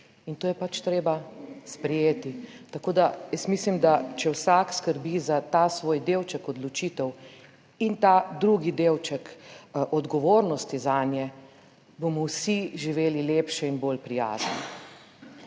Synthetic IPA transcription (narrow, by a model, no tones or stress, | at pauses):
int̪oːjɛpat͡ʃt̪ɾeːbaspɾɛjeːt̪it̪akoːd̪ajəst̪mislimd̪at͡ʃɛwsaːkskəɾbizat̪aːsʋoːjd̪ewt͡ʃəkɔd̪lɔt͡ʃiːt̪ɛw | int̪ad̪ɾuːɡid̪eːwt͡ʃɛkʔɔd̪ɡɔʋoːɾnɔst̪izanjɛ | bomɔwsiʒiʋeːlileːpʃɛinboːlpɾija̰ːznɛ